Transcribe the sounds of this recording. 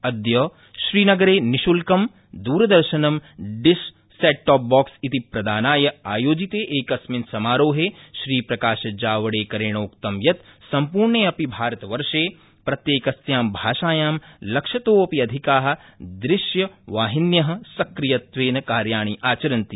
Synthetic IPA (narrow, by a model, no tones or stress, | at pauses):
ɐd̪jɐː | ʃɾiːnɐɡɐɾeːniʃulkɐm | d̪uːɾɐd̪ɐɾʃɐnɐmɖɪʃː | eːʈːɔːp̚bɔːksit̪ipɾɐd̪aːnaːjɐaːjoːd͡ʒit̪eːʔeːkɐsminsɐmaːɾoːɦeːʃɾiːpɾɐkaːʃɐd͡ʒaːʋɐɽeːkɐɾeːɳ̃oːkt̪ɐmjɐt̪sɐmpuːɾɳeːɐpibʱaːɾɐt̪ɐʋɐɾʃeː | pɾɐt̪jeːkɐsjaːmbʱaːʃaːjaːmlɐkʃɐt̪oːɐpiɐd̪ʱikaːɦɐ̆d̪ɾɪʃjɐʋaːɦinjɐɦɐ̆sɐkɾijɐt̪ʋeːnɐkaːɾjaːɳiʔaːt͡ʃɐɾɐnt̪i